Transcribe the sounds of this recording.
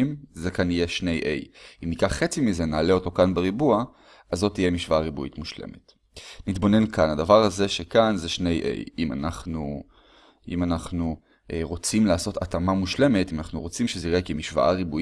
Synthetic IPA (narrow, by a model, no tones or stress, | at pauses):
mzekanije̞ʃne̞jʔe̞̰jʔimnikaχːet͡simize̞naːle̞o̞to̞kanbeʁibua | azːotːije̞miʃvaaʁibuitmuʃlḛmet | nitbo̞ne̞nkanadavaʁaze̞ʃekanzeʃne̞jʔḛjima̰naχnu | ḭmanaχnu | ʔeʁo̞t͡simlaːso̞tatamamuʃle̞metimanaχnuʁo̞t͡simʃezeiʁekemiʃva̰ʔaʁibu